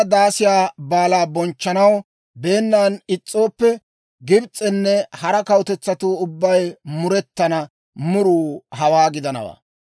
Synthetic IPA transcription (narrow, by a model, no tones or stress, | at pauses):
d̪aːsɪjaːbaːlaːbɔnt͡ʃːɐnɐw | be̞ːnːaːnɪt͡sʼːo̞ːpːɛ | ɡɪbt͡sʼːɛnːɛhɐɾɐkɐwʊt̪ɛt͡sːɐt̪uːʊbːɐjmʊɾɛt̪ːɐnɐ | mʊɾuːhɐwaːɡɪd̪ɐnɐ̰wa̰ː